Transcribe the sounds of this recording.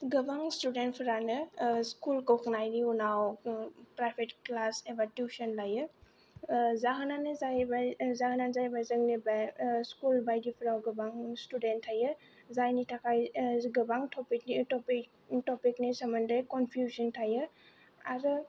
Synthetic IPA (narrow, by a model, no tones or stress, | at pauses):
ɡɯbaŋstudent̚pʰɯɾanɯskulkɔwknajɾiunawpɾajpʰetklasebatjusɔnlajɯ | zaɦɯnanɯzajbazaɦɯnanzajbazɯŋnibaskulbajdipʰɯɾawɡɯbaŋstudentʰːajɯ | zajnitʰakʰajɡɯbaŋtʰɔpiknitɔpi | tɔpiknisaməndəjkɔnpʰjuzɔntʰajɯ | aɾɯ